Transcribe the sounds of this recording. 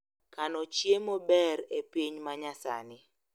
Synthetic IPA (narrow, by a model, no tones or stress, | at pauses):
kanɔt͡ʃjemobɛɾepiɲmaɲasa̰nɪ